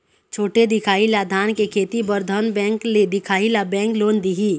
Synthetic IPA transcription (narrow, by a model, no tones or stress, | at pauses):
t͡ʃʰoːʈed̪ɪkʰaːilad̪ʱaːnkekʰeːt̪ibəɾd̪ʱənbɛ̃ːŋkled̪ɪkʰaːilabɛ̃ːŋkloːnd̪iɦi